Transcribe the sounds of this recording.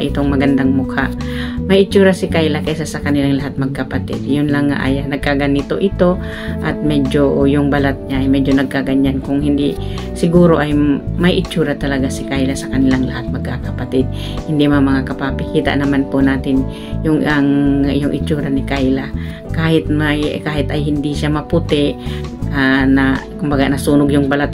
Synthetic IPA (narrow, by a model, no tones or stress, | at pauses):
ʔɪt̪o̞ŋmɐɡɐnd̪aŋmʊkhaʔmɐjɪt͡ʃuːɾasɪkajlakajsasɐkɐnɪlaŋlɐɦat̪̚mɐɡ̚kɐpɐt̪ɪ̰d̪jʊnlɐŋːa̰ʔaːjanɐɡ̚kaɡanit̪o̰ʔɪt̪o̞ | ʔɐt̪̚mɛd͡ʒojʊŋbɐlat̪̚ɲaʔɐjmɛd͡ʒonɐɡ̚kaɡaɲankʊŋhɪnd̪i | sɪɡuːɾo̞ʔɐjmɐjʔɪt͡ʃuːɾat̪ɐlɐɡasɪkajlasɐkɐnɪlaŋlɐhat̪̚mɐɡ̚kakɐpat̪ɪd̪̚ | hɪnd̪imamɐŋakɐpapɪkiːt̪a̰ʔnɐmanponaːt̪ɪn | jʊŋɐŋʔjʊŋʔɪ̰t͡ʃuːɾanɪkajla | kaːhɪt̪̚majkaːhɪt̪ɐjhɪnd̪iʃamɐpʊt̪ɪʔanakʊmbaɡaʔnɐsuːnʊɡjʊŋbɐlat̪̚